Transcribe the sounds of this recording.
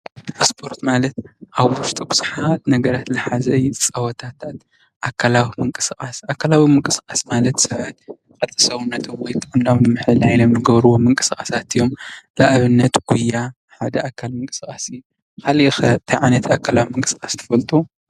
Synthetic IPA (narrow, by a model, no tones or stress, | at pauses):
spʰo̞ɾt̪malɐt̪ʔaβwʊst̪ʼibɨ̥sħat̪nɐɡɐɾat̪lɨħazɐjt͡sʼɐwɐt̪ʰat̪ʰat̪ | ʔakʰːalawimɨŋkʼɨskʼasakʰːalawimɨŋkʼɨskʼasmalɐt̪sɐβat̪ | kʼɐt̪ʼɨsɐwunːɐt̪ʰomwɔjt̪ʼɨʔɨndawnɨmɨħɨlajnomnɨɡɐβɾuwomɨŋkʼɨ̥skʼasat̪ɨjːo̞mlaʔaβɨnːɐt̪ɡ̥ujːa | ħad̪ɐʔakʰalmɨŋkʼɨ̥skʼasɨjːu | kʰalixɐt̪ʰɐjʕanɐt̪ʰiakʰːalawimɨŋkʼɨ̥skʼast̪ʰɐ̥fɐlt̪ʼu